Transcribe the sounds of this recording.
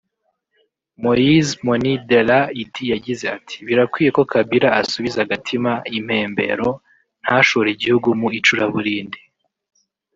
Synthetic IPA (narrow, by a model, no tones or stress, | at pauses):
mojizmonidelaitijaɟize̞atʰi̥βiɾakwiːje̞ko̞kabiɾaasuβizaɡatʰimaim̥he̞ːmbe̞̰ɾo̞ | n̥haʃoɾeiɟihuɡumuit͡ʃuɾaβuɾiːndi